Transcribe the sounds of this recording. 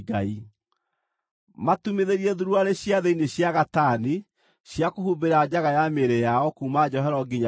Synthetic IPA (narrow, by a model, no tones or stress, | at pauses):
ɡai | matumeðeɾiɛðuɾuaɾeɕjaðeineɕjaɣatane | ɕjakohubeɾad͡ʑaɣajameɾejaɔkuːmad͡ʑɔɦɛɾɔɡiɲa